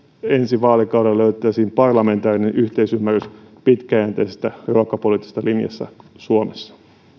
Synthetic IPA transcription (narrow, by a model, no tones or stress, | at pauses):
ensiʋɑːlikɑwɾelløyt̪ˑæːsiːmpɑrlɑme̞nt̪ɑːrinenʔyht̪eisymːærˑys | pit̪kæjæːnt̪æisest̪æjolokːɑpoliːt̪ːist̪ːɑlinjɑ̰sːɑ̰suomesːɑ̥